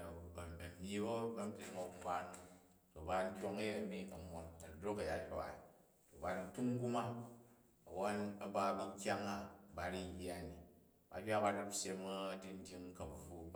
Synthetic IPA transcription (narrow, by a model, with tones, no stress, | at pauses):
o˨bɐ˨mi˦bo˦bɐ˦m̩˦bʲi˨˦mo˨˦ba˦nu˦ | to˨ba˨n̩˦kʲo˦ŋɐ˦je˦ɐ˨mi˦ɐ˨mo˨nɐ˨dɾo˦kɐ˨ja˦hʲo˨wa̰˨i˨ | to˨ba˨ɾi˨n˦tu˦m̩˦ɡu˦ma˦ | ɐ̰˨wo˦nɐ˦ba˦bu˦˧˦kʲa˦ŋa˦ba˨˦ɾi˦ji˦a˦˨ni˨ | ba̰˨bʲa˦ba˦ɾa˦psʲe˦mɐ˦di˦n̩˦dʲi˦ŋ˦kɐ˨m˨ɸu˦